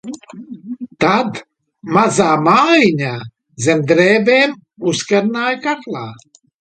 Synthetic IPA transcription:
t̪ad̪ | mazaːmaːjiɲaː | zʲɛmd̪ɾɛːbeːm | uskaɾnaːjkaklˠaː

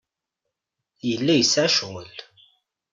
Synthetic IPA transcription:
jəlːæjəsːʕaʃwəl

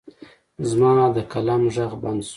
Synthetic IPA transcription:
zmɑːd̪əkalamʒaɣband̪s

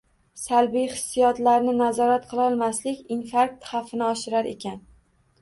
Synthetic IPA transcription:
salbijχɪsːijɒt̪laɾnɪnazɒɾat̪qʰɨlˠɒlˠmaslɪkʲinfaɾk̚t̪χɑfɪnɪɒʃɪɾaɾʔe̞̰kʲʰan

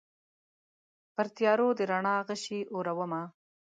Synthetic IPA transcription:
pəɾt̪jɑɾod̪əɾaɳɑɣəʃiʔoɾawəma

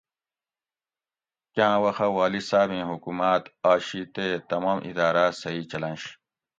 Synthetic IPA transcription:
kjãːwɐxɐwaːlisaːbẽːɦukumaːt̪aːɕit̪et̪ɐmaːmʔḭd̪aːɾaːsɐiːt͡ɕɐlɐ̃nɕ

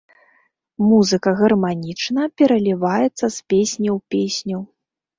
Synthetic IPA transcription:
muzɨkɐɣɐrmanʲit͡ʂnɐpʲɛɾɐlʲivajɛt̪sːɐspʲesʲnʲɐwpʲesʲnʲɐw

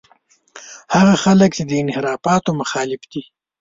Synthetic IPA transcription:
haɣaxalək̚t͡ʃed̪əɪnhɪɾɑfɑt̪omaxɑːlɪfd̪̥i

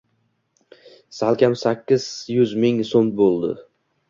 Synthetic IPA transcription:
salˠkʲʰamsakʲʰːɪz̥jʊzmɪŋsombolˠd̪ɪ̰

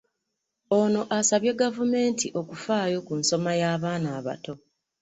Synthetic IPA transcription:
o̞no̞ʔasaβje̞ɡavume̞ːntʰiʔo̞kufaːjo̞kunso̞majaːβaːnaːβa̰to̞

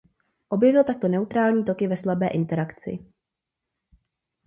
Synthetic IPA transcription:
ʔo̞bjɛvɪlt̪ak̚t̪o̞nɛut̪ɾaːlɲiːt̪o̞kɪvɛslabɛːʔɪnt̪ɛɾakt͡sɪ̰

